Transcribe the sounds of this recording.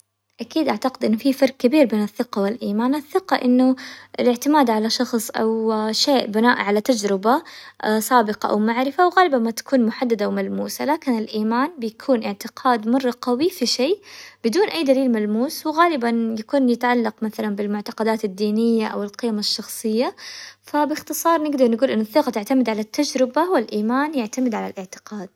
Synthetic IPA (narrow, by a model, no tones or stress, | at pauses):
ʔakiːd̪ʔaʕt̪aqɪd̪ʔɪnːʊfifɑɾˤk̚kabiːɾbeːnaθːɪqɑwɪlʔiːmaːnʔaθːɪqɑʔɪnːʊɪlɪʕt̪ɪmaːd̪ʕalaʃɑxsˤʔa̰wʃeːʔbɪnaːʔʕalat̪ad͡ʒɾɪbasˤaːbɪqɑ̰ʔa̰wmaʕɾɪfawɣaːlɪbanmat̪ḁkuːnmʊħad̪ːad̪awmalmuːsalaːkɪnɪlʔiːmaːnbɪjakʰuːnʔɪʕt̪ɪqʰɑːd̪mɑrˤːɑqɑwifiʃeːb̥ɪd̪uːnʔajːd̪aliːlmalmuːswɪɣaːlɪbanjakuːnjɪt̪ʕalːɑqmaθalanbɪlmʊʕt̪ɑ̥qɑd̪aːt̪ad̪ːiːnɪjːaʔa̰wɪlqɪjmaʃːɑxsˤɨjːafabɪxt̪ɨsˤɑːɾˤnɪɡd̪ɑɾˤnɪɡuːlʔɪnːʊθːɪqɑt̪ɪʕt̪amɪd̪ʕalat̪ːad͡ʒɾɪbawalʔiːmaːnjaʕt̪amɪd̪ʕala̰lʔɪʕt̪ɪ̥qɑːd̪̥̚